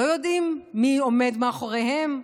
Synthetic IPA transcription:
ojo̞d̪imːiome̞d̪meaχoʁehem

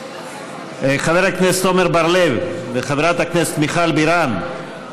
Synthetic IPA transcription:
χaveɾhaknest̪omeɾbaɾlevveχaveɾat̪haknese̥t̪miχalbiɾan

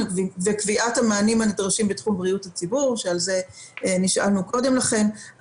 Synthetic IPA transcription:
kvivekviʔathamaːnimanidʁaʃimbetχumbʁiuthat͡sibuʁʃealze̞niʃʔa̰lnuko̞de̞mlaχe̞n

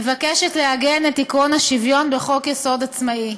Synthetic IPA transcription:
vakeʃetleaɡenetikʁonhaʃivjo̞nbeχo̞kjeso̞dat͡smai

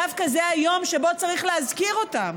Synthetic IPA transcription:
afkazeajo̞mʃebo̞t͡saʁiχleazkiʁotam

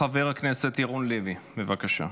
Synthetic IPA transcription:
aveʁhakneset̪jiʁunlivibevakaʃa̰

